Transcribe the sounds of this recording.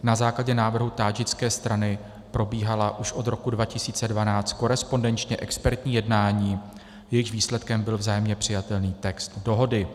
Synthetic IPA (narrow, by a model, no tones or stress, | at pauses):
nazaːklaɟɛnaːvr̩ɦut̪aːd͡ʒɪt͡skɛːst̪ɾanɪ | pɾo̞biːɦalaʔuʃʔo̞d̪ɾo̞kudvacɪsiːt͡sɛdvanaːt͡st̪̚ko̞ɾɛspo̞ndɛnt͡ʃɲɛʔɛkspɛɾt̪ɲiːjɛdnaːɲiː | jɛjɪxviːslɛt̪kɛmbɪlvzaːjɛmɲɛpr̥ɪjat̪ɛlniːt̪ɛkst̪do̞ɦo̞dɪ